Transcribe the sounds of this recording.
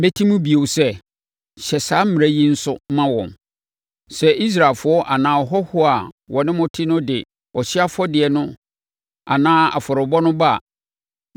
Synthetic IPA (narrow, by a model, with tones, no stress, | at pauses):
me˦tʰi˦mũ˦bi˨o˨sɛ˦ | ɕɛ˨saː˨˦m̩˦mɪ̃˨æ˦ji˦n̩˦sʊ˦mã˦wɔ̰̃˨n | sɛ˦ʔi˦s̬ɾa˨lfʊ˨˦ɔ˦ʔa˨nãː˨ɔ˨ɦɔ˦hʊ˦a˨ | wɔ˨nɪ̃˦mʊ̃˦tʰɪ˦nʊ̃˦dɪ˨ | ɔ˨ɕɪ˦a˦fɔ˦dɪ˨ɛ˨nʊ̃˦ | a̰˨nãː˦a̰˨fɔ˨ɾɪ˨bɔ˦nʊ̃˦ba̰˦˨